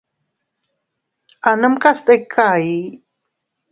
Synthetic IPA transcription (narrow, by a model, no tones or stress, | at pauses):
anəmkast̪ekʰai